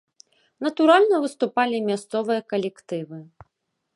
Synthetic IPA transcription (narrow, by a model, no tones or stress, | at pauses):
nɐt̪uɾalʲnɐvɨst̪upalʲimʲast̪sɔvɨjɐkɐlʲɛkt̪ɨvɨ